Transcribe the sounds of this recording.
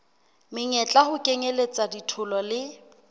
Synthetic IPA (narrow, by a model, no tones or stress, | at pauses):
mɪɲɛt͡ɬʼahʊkʼeŋelet͡sʼaditʰʊlɔlɪ